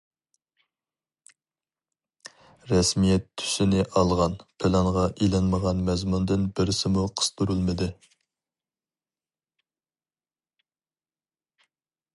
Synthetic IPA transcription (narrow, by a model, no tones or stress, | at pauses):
ɾɛsmijɛt̪ʰːy̥sɪnɪʔɑlˠʁɑnpʰɪlˠɑŋʁɑʔilɑnməʁɑnmɛzmund̪ɪnbɪɾɪsɪmuqʰə̥st̪uɾulˠmɪd̪ɪ